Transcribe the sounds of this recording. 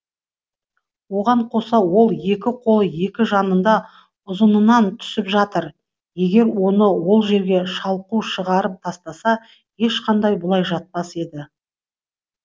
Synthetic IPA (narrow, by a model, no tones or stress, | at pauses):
wo̞ʁɑɴqʰo̞sɑwo̞lˠje̞kʲɪqʰo̞lˠəje̞kʲɪʒɑnənd̪ɑ | ʊzənənɑnt̪ʰʏ̥sɪpʒɑt̪əɾ | je̞ɡʲe̞ɾwo̞nəwo̞lˠʒe̞ɾɡʲe̞ʃɑlˠquʃəʁɑɾəp̚t̪ʰɑst̪ɑsɑ | je̞ʃqʰɑnd̪ɑjbʊlˠɑjʒɑt̪̚pɑse̞d̪ɪ